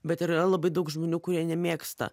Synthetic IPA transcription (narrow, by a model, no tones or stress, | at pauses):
bʲɛt̪ɪɾɾɐlˠɐbɐɪd̪ɐʊkʒmoːnʲuːkʊɾʲiɛnʲɛmʲeːkst̪ɐ̰